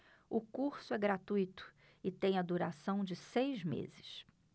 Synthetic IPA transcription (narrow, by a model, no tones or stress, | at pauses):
ʊkuɾsʊɛɡɾat̪ujt̪ʊ̥ | ɪt̪ẽj̃ɐd̪uɾasɐ̃w̃d͡ʒɪsejzmḛzɪʃ